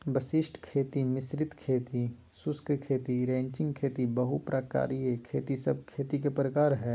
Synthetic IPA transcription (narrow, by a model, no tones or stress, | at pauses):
bɐsɪʃʈʰkʰeːt̪imɪsɾɪt̪kʰeːt̪i | sʊskkʰeːt̪iɾẽːɲt͡ʃɪ̃ŋɡ̚kʰeːt̪ibɐɦupɾʔaːka̰ːɾijekʰeːt̪isɐb̚ʱkʰeːt̪ik̬epɾəkaːɾɦɛː